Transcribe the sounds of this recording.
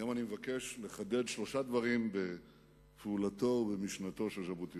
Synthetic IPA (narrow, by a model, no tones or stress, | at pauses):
jomanimevake̞ʃle̞χad̪e̞dʃlo̞ʃad̪vaʁimbe̞ | fulato̞be̞miʃnat̪o̞ʃelʃabut̪i